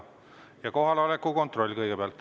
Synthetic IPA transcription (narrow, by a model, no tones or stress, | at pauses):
jɑko̞ɦɑleolekːuko̞nt̪ro̞lʲːkɤjɡ̥epeɑlt̪ˑː